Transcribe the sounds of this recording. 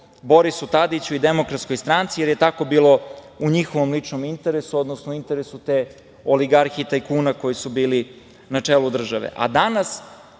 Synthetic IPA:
bo̞ɾisut̪ad̪it͡ɕuid̪emokɾat̪sko̞jst̪ɾant̪sije̞ɾje̞t̪ako̞biːlo̞ | uɲixo̞ʋo̞mlit͡ʂnomint̪eɾesuo̞d̪nosnouint̪e̞ɾesut̪e | o̞liɡaɾxit̪ajkuːnako̞jisubiːli | nat͡ʂeːlud̪r̩ʒaʋḛʔa̰d̪anas

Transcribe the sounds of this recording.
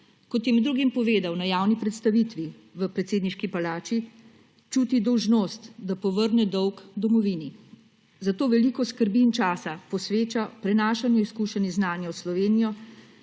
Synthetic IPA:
kɔt̪jɛmɛd̪ːɾuːɡimpɔʋeːd̪awnajaːwnipɾɛt̪st̪aʋit̪ʋi | ʋəpɾɛt̪seːd̪niʃkipalaːt͡ʃi | t͡ʃuːt̪id̪ɔwʒnoːst̪d̪apɔʋəɾnɛd̪ɔwkd̪ɔmɔʋini | zat̪oːʋɛliːkɔskəɾbiːnt͡ʃaːsapɔsʋeːt͡ʃapɾɛnaːʃanjɛiskuːʃɛniznaːnjawslɔʋeːnijɔ

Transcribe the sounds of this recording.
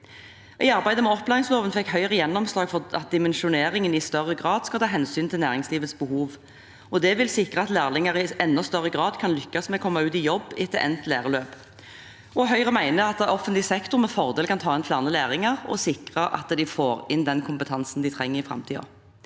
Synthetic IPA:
ʔɪɑʁbæɪd̪əmɛɔplæːʁɪŋsləoːʋənfɛkːhœʏʁəjɛnːɔmslɑːɡfɔɑt̪̚d̪ɪmɛnʃʊneːʁɪŋənɪst̪œʁəɡʁɑːd̪skɑlt̪ʰɑːɦɛnsyːnt̪ʰɪlnæːʁɪŋsliːʋət̪sbəhuːʋ | ɔd̪ɛʋɪlsɪkʁəɑt̪læːʁlɪŋɑʁɪʔɛnːɔst̪œʁːəɡʁɑːd̪kʰɑnlʏkːɑsmɛkʰɔmːɑʉːt̪ɪjɔbːɪt̪ːʔɛ̰nt̪læ̰ːʁəløːp | ɔɦœʏʁəmæɪnəɑt̪ːʔɔfːənt̪lɪsɛkt̪ʊʁmɛfɔʁd̪eːlkʰɑnt̪ʰɑːɛnt̪ʰlɑnəlæːʁɪŋɑʁɔ̰sɪkʁəʔɑ̰t̪d̪ɪfoːɾɪnd̪ɛnkʰʊmpət̪ʰɑnsn̩d̪ɪt̪ʰʁɛŋːəʁɪfʁɑ̰mt̪ʰiːɑ̰

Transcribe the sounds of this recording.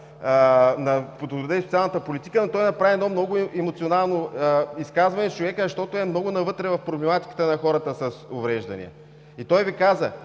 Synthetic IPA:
nɐpot̪od̪ɛisʊt̪sʲialˠnət̪əpolit̪i̥kənot̪ɔjnɐpɾaviɛd̪ɔmnɔɡʊɛmot̪sionalˠnoəiskazvɐnɛst͡ʃovɛkəzɐʃt̪ɔt̪ʊɛmnɔɡʊnɐvɤt̪ɾɛvɐfpɾoblɛmat̪i̥kə̥t̪ənɐxɔɾət̪əsɐsʊvɾɛʒd̪ɐ̰nḭə̰ | it̪ɔjvikazə̰

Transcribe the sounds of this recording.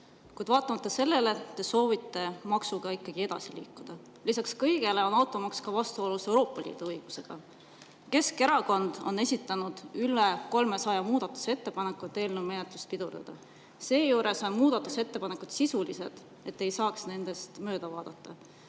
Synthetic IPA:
kujd̪vɑːt̪ːˑɑmɑt̪ˑːɑse̞lːe̞le̞t̪ːe̞so̞ːvit̪ːe̞mɑksuɡ̥ɑikˑːɑɡ̥ie̞d̪̥ɑ̰silḭːkːˑud̪̥ɑ | lisɑkskɤjɡ̥e̞le̞o̞nɑwt̪ːˑɑmɑkskɑvɑst̪uo̞luse̞wɾoːpːˑɑlḭːd̪̥uɤjɡ̥use̞ɡ̥ɑ | ke̞ske̞ɾɑko̞nd̪̥o̞̰ne̞sʲit̪ˑːɑnud̪̥yleko̞lme̞sɑjɑmuːd̪̥ɑt̪ːˑu̥se̞t̪ːe̞pɑnekːˑut̪e̞ːlnumenet̪lust̪̚pid̪̥urd̪̥ɑ̰d̪̥ɑ | se̞ːjuːɾe̞so̞nmuːd̪̥ɑt̪ːˑuse̞t̪ːe̞pɑne̞kud̪̥sisulise̞d̪̥ | e̞t̪ːe̞jsɑːksne̞nd̪e̞st̪mø̞ːd̪̥ɑvɑːd̪̥ɑt̪ːɑ

